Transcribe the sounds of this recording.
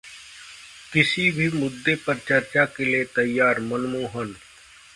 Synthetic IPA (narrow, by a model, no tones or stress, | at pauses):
kɪsibʱiːmʊd̪ːepɐɾt͡ʃəɾt͡ʃakelet̪ɐjːaːɾmənmuːɦən